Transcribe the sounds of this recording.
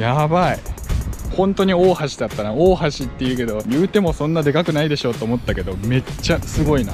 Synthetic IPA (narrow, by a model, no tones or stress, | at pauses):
jabai | hõ̞nt̪o̞ɲ̟io̞ːhaɕi̥d̪at̪ːanaoːɦaɕit̪ːe̞jɯ̟ːke̞d̪o̞jɯ̟ːt̪e̞mo̞sõ̞nːad̪e̞kakɯ̟naid̪e̞ɕo̞ːt̪ːo̞ːmo̞t̪ːake̞d̪o̞me̞t͡ɕːasɨɡo̞ina